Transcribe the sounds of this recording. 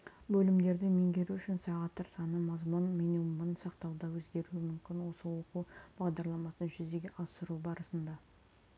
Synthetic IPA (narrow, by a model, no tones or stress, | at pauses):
bɵlɪmd̪e̞ɾd̪ɪmeŋɡʲe̞ɾuʏʃɪnsɑʁɑt̪ʰːɪɾsɑnəmɑzmʊnminimmənsɑqt̪ɑwd̪ɑwɵzɡʲe̞ɾuɪmʏmkʲɪnwo̞səwo̞qub̥ɑʁd̪ɑɾlˠɑmɑsənʒʏzd̪e̞ɡʲeʔɑzsəɾubɑɾəsənd̪ɑ